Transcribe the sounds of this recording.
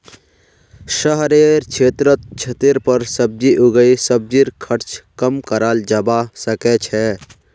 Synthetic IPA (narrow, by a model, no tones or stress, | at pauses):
ʃəɦɾeɾt͡ʃʰet̪ɾət̪̚t͡ʃʰet̪iɾpəɾsəb̚d͡ʒiʔuɡəisəb̚d͡ʒiɾkʰəɾt͡ʃkəmkəɾald͡ʒəbasəkɛt͡ʃʰɛ